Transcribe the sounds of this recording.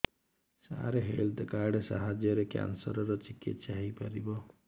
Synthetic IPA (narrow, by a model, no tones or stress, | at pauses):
sa̰ɾeɦeld̪kaɾɖsa̰ɦad͡ʒjɔɾekja̰nsɔɾɔɾɔt͡ʃikḭt̪saɦijpaɾibɔ